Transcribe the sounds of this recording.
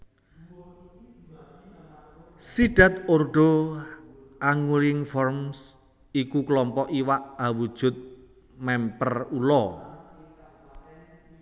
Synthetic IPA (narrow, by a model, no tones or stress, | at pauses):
siɖ̥a̤t̪̚orɖ̥o̤ | ʔaŋulɪŋfɔrms | ikuklɔmpɔʔiwaʔawud̥ʒ̥ʊ̤t̪̚ | mɛmpərulɔ